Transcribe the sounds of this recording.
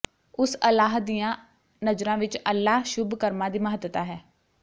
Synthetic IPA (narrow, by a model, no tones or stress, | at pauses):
ʊsəlaːɦd̪ijãː | nəd͡ʒɾãːʋɪt͡ʃəlːaːɦʃʊbkəɾmãːd̪iːməɦəd̪t̪aːɦɛː